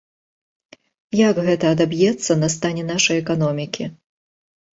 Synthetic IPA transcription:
jaɡɣɛt̪ɐːd̪abjɛt̪sːɐnɐst̪anʲɛnaʂɐjɛkanɔmʲikʲi

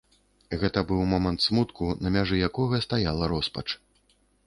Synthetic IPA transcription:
ɣɛt̪ɐbɨwmɔmɐnt̪smut̪kunɐmʲaʐɨjakɔɣɐst̪ajalˠɐɾɔspɐ̰t͡ʂ

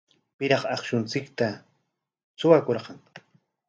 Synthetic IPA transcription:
pɪɾɑχɑχʃʊnt͡sɪkt̪a | t͡sʊwakoɾɢɑŋ

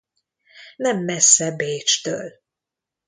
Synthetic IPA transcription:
nɛmːɛsːɛbeːt͡ʃt̪ø̰ːl

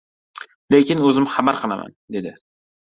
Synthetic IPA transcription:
lekʲɪnɵzɪmχabaɾqʰɨlˠa̰mʔa̰nd̪e̞d̪ɪ

